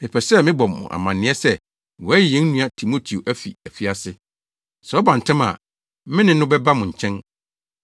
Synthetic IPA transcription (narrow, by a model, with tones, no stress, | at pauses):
e˨pʰɛ˨sɛ˦mɪ̃˦bɔ˨mːʊ̰̃˨ʔa̰˨mã˨nɪ̃˦ɛ˦sɛ˦ | wɔ˨æ˦˨jɛ̃˦n˦nũ˦a˨tʰi˨mo˦tʰi˨o˨ʔæ˦fḭ˨æ˨fi˦a˨sɪ˦ | sɛ˨ɔ˦bã˨n̩˨tʰɪ̃˦ma̰˨ | mɪ̃˦nɪ̃˦nʊ̃˦bɛ˦ba˦mʊ̃˨ɲ̩˨t͡ɕʰɛ̃˦n